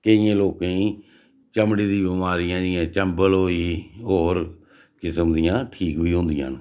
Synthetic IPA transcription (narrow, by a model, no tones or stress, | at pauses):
kəɪjãːloːkẽːĩː | t͡ʃəmɽiːd̪ĩːbɪmaːɾɪjãːd͡ʒɪjãːt͡ʃəmbəlɦoːiːɦoːɾ | kɪsəmd̪ijãːʈʰiːkbiːɦʊ̃nd̪ɪjã̰ːn